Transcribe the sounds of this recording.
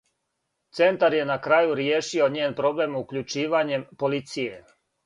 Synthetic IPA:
t̪se̞nt̪aɾje̞nakɾaːjuɾjeːʃio̞ɲeːnpɾo̞ble̞mukʎut͡ʃiːʋaɲe̞mpo̞lit̪sije̞

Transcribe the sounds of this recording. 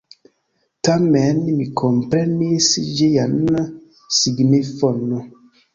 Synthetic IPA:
tamɛnmikʰɔmpɾɛnisid͡ʒejan | siɡnifɔnɔ

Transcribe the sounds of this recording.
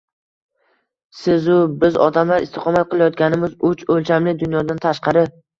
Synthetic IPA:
sɪzʊbɪzɒ̰d̪amlaɾʔɪ̰st̪ɪ̥qʰɒmat̪̚qʰɨlˠajɒt̪̚ɡʲanɪmɪzʊt͡ʃolt͡ʃʰamlɪd̪ʊnjɒd̪ant̪ʰaʃqɑɾɪ

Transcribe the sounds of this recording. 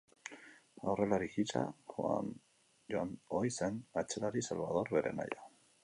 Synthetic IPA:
awre̞laɾikit͡ʃa̰xoa̰n | ʝoanojsenat͡ʃelaɾisalβað̞o̞ɾβe̞ɾʔe̞̰ma̰ja

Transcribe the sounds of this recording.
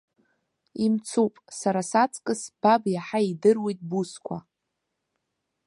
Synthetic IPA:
imt͡sʰupʼsaɾasat͡sʼkʼɨsb̥abjaħaidɨrwejtʼbuskʷʰa̰

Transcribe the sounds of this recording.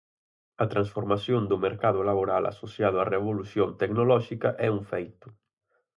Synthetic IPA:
at̪ɾansfoɾmasjond̪umeɾkaðʊlaβoɾala̰sosjaðoareβolusjont̪eknolɔʃikɐʔɛuɱfejt̪ʊ̥

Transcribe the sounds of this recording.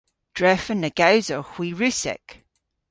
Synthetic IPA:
d̥ɹɛfənːəɡ̥awzɔxw̥iːɹʉsɛ̰k

